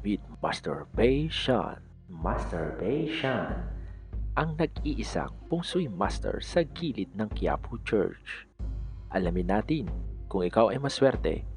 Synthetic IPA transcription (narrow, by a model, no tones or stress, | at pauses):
vit̪̚ma̰st̪ɛ̰ɹbɛjʃa̰n | mast̪ɛɹbɛjʃanʔɐŋnɐɡ̚iːʔɪsa̰ŋpʊŋsʊjma̰st̪ɛ̰ɹsɐɡiːlɪt̪̚nɐŋkɪja̰ːpʰʊt͡ʃɛ̰ɹt͡ʃ | ʔɐlamɪnːaːt̪ɪnkʊŋɪkawʔɐjmɐswɛɾt̪ɛ̰